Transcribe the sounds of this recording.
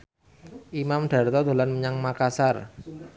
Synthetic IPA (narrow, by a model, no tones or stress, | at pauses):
ʔimamɖ̥a̤rt̪ɔd̪o̤lanməɲaŋmakasar